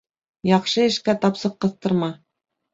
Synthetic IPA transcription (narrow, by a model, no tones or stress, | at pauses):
jɑqʃɤɘ̆ʃkæt̪ɑpsɤqːɤ̆θt̪ɤ̆ɾmɑ